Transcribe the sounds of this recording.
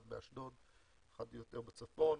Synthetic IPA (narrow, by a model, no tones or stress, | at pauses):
d̪beaʃdod̪ | χad̪jot̪eʁbet͡safon